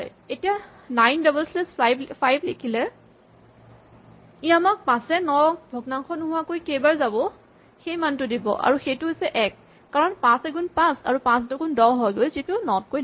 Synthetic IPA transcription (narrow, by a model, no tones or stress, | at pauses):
ɔj | etija | najndɔbɛlslesbpʰajblekʰilɛ | iamak̚pãsɛnɔbʱɔɡnaŋkʰɔnʊɦʊwakojkejbaɹzabɔ | xejmantʊdibɔ̰ʔa̰ɹuxejtʊɦojsɛʔɛkː | aɹɔnpãsɛɡunpãsa̰ɹupãstɔɡʊndɔɦɔjɡojzitʊnɔt̚koj